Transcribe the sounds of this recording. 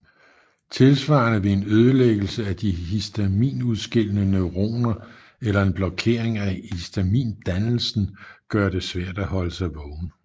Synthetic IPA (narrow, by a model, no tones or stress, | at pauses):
t͡sʰe̝lsʋɑ̈nəʋe̝e̝nøð̞ˠəleɡ̥l̩səæd̥ihisd̥æmḭːnuðˠsɡ̥e̝l̰ənəneʊʁo̝̰ːnɐ | elɐe̝nb̥lɒ̽kʰe̝̰ɐe̝ŋæisd̥æmḭːnd̥ænl̩sn̩ɡ̥ɶɐd̥e̝sʋæɐ̰d̥æhɒ̽ləsɑ̈ɪʋɒʊn